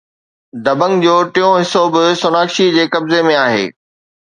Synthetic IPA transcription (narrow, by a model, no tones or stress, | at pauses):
d̪ɐbə̃ŋɡd͡ʑoːʈijõɦɪsobɪsʊnaːkʃid͡ʑeːkɐbzemẽaːɦḛː